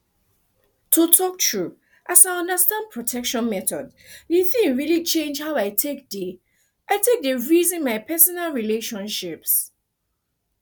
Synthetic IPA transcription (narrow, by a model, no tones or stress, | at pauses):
tʰutʰɔk̚tʰɹu | ʔasaɪʌ̃ndəstãnd̚pʰɹɔtʰɛkʃɔ̃nmɛtɔd | diθĩŋɹilit͡ʃẽnd͡ʒhaʊaɪtʰek̚di | ʔaɪtʰek̚dəɹizĩnmaɪpʰɛsɔnalɹileʃɔ̃nʃɪps